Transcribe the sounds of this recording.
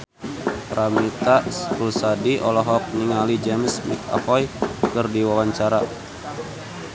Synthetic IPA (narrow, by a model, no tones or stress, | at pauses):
pɾamit̪asɾusadiɔlɔɦɔk̚niŋalid͡ʒɛmsmika̰fɔjkɨrdiwawaɲt͡ʃaɾa